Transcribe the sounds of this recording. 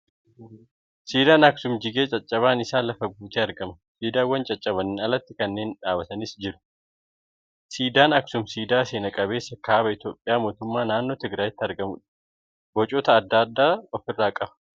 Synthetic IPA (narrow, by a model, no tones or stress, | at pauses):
siːd̪aːnɐksʊmd͡ʒɪɡe̞ːt͡ʃʼɐt͡ʃʼːɐβaːnɪsaːlɐfɐɡuːt̪eːɐɾɡɐmɐ | siːd̪aːwːɐnt͡ʃʼɐt͡ʃʼːɐβɐnɪnɐlɐt̪ːɪkɐnːe̞ːnᶑaːbɐt̪ɐnɪsd͡ʒɪɾʊ̥ | siːd̪aːnɐksʊmsiːd̪aːseːnɐkʼɐbe̞ːsːɐkaːbɐɪt̪jo̞ːpʼɪjaːmo̞ːt̪ʊmːaːnaːnːo̞ːt̪ɪɡɾaːjɪt̪ːɪɐɾɡɐmʊ̰ᶑɐ | bɔt͡ʃʼoːt̪ɐːd̪ːad̪ːaːɔfɪrːaːkʼɐbɐ̥